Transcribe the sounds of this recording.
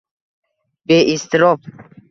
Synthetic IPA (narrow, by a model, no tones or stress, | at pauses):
beʔist̪iɾɔb